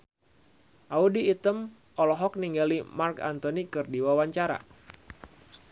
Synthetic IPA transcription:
ʔaudiːt̪əm | ʔɔlɔɦɔk̚niŋɡalimarka̰nt̪onikɨrdiwawaɲt͡ʃaɾa̰

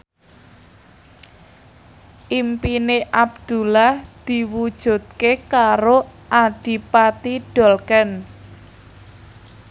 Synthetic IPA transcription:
ʔimpineʔabd̪̥ṳlahd̪̥i̤wud̥ʒ̥ṳt̪̚kekaɾoʔaɖ̥i̤pat̪iɖ̥ɔ̤lkɛn

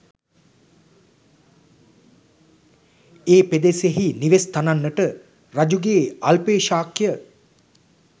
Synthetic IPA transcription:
eːped̪eseɦiniʋest̪ananːəʈə | rad͡ʒuɡeːalpeːʃaːkjə

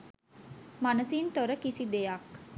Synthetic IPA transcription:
manəsint̪oɾəkisid̪ejak

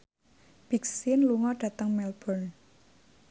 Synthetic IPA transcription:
b̥iksinluŋɔɖ̥ä̤t̪əŋmɛlb̥ɔn

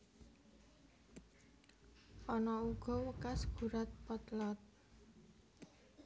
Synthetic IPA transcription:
ʔɔnɔuɡ̥ɔ̤wəkasɡ̥ṳɾat̪̚pɔt̪lɔt̪̚

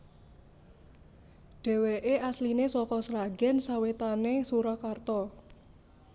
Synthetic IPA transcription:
ɖ̥ɛ̤weʔeʔaslinesɔkɔsɾaɡɛnsawet̪anesuɾakart̪ɔ

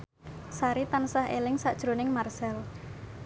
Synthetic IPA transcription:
saɾit̪ansahḛlɪŋsaʔd̥ʒ̥ɾonɪŋmarsɛl

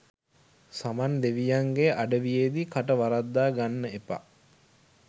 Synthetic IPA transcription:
samand̪eʋijaŋɡeʔaɖəʋijeːd̪ikʰaʈəʋaɾad̪ːaːɡanːəepa̰

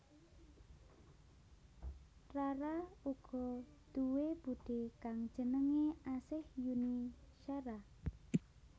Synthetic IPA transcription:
raɾauɡ̥ɔ̤d̪̥uweb̥uɖ̥ekaŋ̥d͡ʒ̥ənəŋeasɪhjuniʃaɾa

